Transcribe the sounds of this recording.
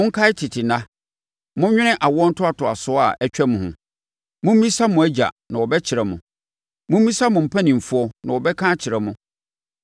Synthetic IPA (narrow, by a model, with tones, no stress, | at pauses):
mʊ̃˦ŋ̩˦kʰa˦ɪ˦tʰɪ˨tʰɪ˨nã˦ | mʊ̃˦ɲᶣɪ̃˦ɪ̃˦ʔa˨wɔ˦n̩˦tʰʊ˦a˨tʰʊ˨a˨sʊ˦a̰˨ʔɛ˦t͡ɕᶣɛ˦mʊ̃˨hʊ̰̃˨ | mʊ̃˦m̩˦mĩ˦sa˦mʊ̃˨æ˦d͡ʑa̰˨nã˨wɔ˨bɛ˦t͡ɕʰɪ˨ɾɛ˨mʊ̃˨ | mʊ̃˦m̩ː˦ĩ˦sa˦mʊ̃˨m̩˨pʰæ˦nĩ˨m̩˨fʊ˦ɔ˦nã˨wɔ˨bɛ˦kʰãː˦t͡ɕʰɪ˨ɾɛ˨mʊ̃˦